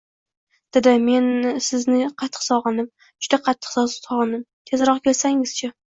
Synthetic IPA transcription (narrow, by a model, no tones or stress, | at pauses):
d̪̥ɪd̪ɪme̞nsɪznɪqʰɑt̪ʰːɨ̥qsɒʁɨnɪp̚ | d͡ʒʊd̪aqʰɑt̪ʰːɨ̥qsɒsɒʁɨnɪp̚t̪ʰe̞zɾɒqkʲʰe̞lsaŋɪz̥t͡ʃʰa